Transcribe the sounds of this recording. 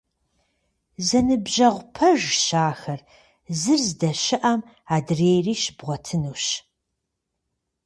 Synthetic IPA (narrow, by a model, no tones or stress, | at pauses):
zɐnɨbʑɐʁʷʊpʰɐʒɕaːxɐr | zɨrzdɐɕɪʔɐm | aːdreːjriːʃbʁʷɔtʰɨnuːɕ